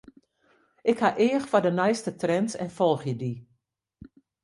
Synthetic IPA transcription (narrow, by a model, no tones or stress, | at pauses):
ʔɪkhaʔɪːəxfadənɛjstətrɛnsɛ̰nfɔlˠxjədi